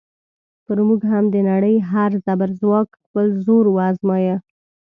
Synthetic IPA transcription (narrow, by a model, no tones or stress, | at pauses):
pəɾmuɡɦamd̪ənaɽəjɦaɾzabaɾzwɑkxpəlzoɾwazmɑjə